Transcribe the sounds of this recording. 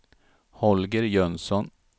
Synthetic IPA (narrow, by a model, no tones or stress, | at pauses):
hɔlɡəɾjœnsɔn